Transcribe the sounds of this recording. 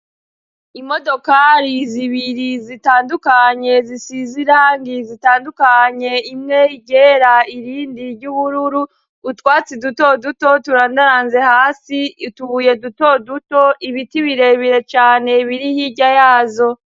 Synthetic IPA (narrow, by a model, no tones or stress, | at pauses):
imo̞do̞kaɾiziβiɾizitaːndukaɲe̞zisiziɾaːŋɡizitaːndukaɲe̞imŋe̞iɟeɾaiɾiːndiɾɟuβuɾuɾu | utwaːt͡siduto̞duto̞tuɾaːndaɾaːnze̞haːsituβuje̞duto̞duto̞ʔiβitiβiɾe̞βiɾe̞t͡ʃaːne̞βiɾihiɟajaːzo̞